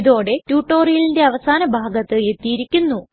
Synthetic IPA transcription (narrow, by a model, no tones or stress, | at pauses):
iðo̞ːɽe̞tjuːʈːo̞ːrijlinde̞ɐʋɐsaːnɐbʱaːɡɐt̪ːɨe̞t̪ːijiɾikʲːunːu